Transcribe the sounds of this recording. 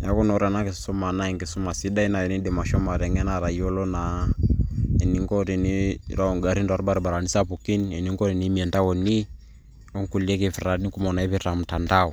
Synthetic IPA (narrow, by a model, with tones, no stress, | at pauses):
ja̰˦kɔ˦nɔ˨˦ɾa˨na˦ke˨sɔ˦ma˨na˦ɛ˨ŋɡe˨su˦ma˨si˦da˦i˦na˨ɛ˨ni˦de˨ma˨ʃɔ˦ma˨ɾɛ˨ŋɛ˦na˨ɾa˨i˦ɔ˦lɔ˦na˨ | ɛ˨ni˦ŋɡɔ˦ɾi˨ni˦ɾa˦ɔ˨ŋɡa˨ɾi˦nda˨ɾɓa˦ɾi˨ɓa˨ɾa˨ni˦sa˦pu˨ki˦nɛ˨ni˦ŋɡɔ˦ɾi˨ni˦mi˨ɛ˨nda˦wɔ˨ni˦ | ɔ˦ŋku˨li˦ɛ˦ke˨fɾa˨ni˦ku˦mɔ˨na˨ɛ˦βi˦ɾa˨m̩˨ta˨nda˦ɔ˨